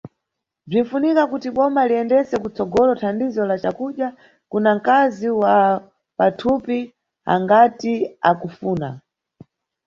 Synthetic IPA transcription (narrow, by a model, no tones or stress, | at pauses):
b͡ʐin̩funikakutiɓɔmaliɛndɛsɛkut͡sɔɡɔlɔtʰandizɔlat͡ʃakuɗja | kunaŋ̩kaziwa | patʰupi | a̰ŋɡatiakufuːna̰